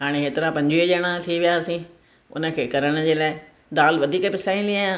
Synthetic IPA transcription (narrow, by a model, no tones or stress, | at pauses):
ɦaːɽ̃eɦeːt̪ɪɾapɐ̃ɲd͡ʑid͡ʑəɽ̃ãt̪ʰiʋijaːsĩː | ʊ̰nə̆kʰeːkɐɾəɽ̃ə̆d͡ʑeːlaːɪ | d̪aːlʋɐd̪ʱiːkəpɪsaːĩnliãã